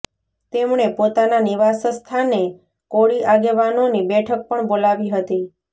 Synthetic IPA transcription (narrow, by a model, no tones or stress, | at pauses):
t̪emɳepot̪ananiʋasəst̪ʰane | koɽiʔaɡeʋanonibɛʈʰək̚pəɳbolaʋiɦət̪i